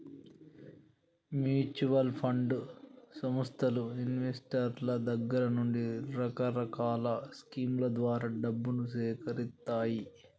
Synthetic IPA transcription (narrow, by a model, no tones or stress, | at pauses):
mjuːt͡ʃuʋɐlpʰɐɳɖsɐmɐst̪ʰɐluinʋesʈɐɾlɐd̪ɐɡːɐɾɐnuɳɖiɾɐkɐɾɐkaːlɐskiːmlɐd̪ʋaːɾaːɖɐbːunusɛːkɐɾit̪ːaːji